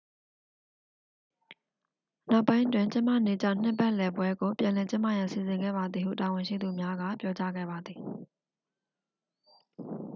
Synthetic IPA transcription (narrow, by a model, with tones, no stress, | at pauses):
na˦ʊpːã˦ɪ̃ʔətwɪ̃˨ɲt͡ɕɪ̃˦mä̰˦˨ne˨t͡ɕã̰˦˨n̥ɪ˦˨pɛ˦ʔlɛ˨bwɛ˦ɡo˨pjã˨lɛ˨t͡ɕɪ̃˦ma˦˨jã˨si˨zɪ̃˨ŋɡɛ̰˦˨ba˨d̪ði˨hṵ˦˨ta˨wɪ̃˨ʃḭ˦˨d̪u˨mja˦ɡa̰˦˨pjɔ˦t͡ɕa˦ɡɛ̰˦˨ba˨d̪ði˨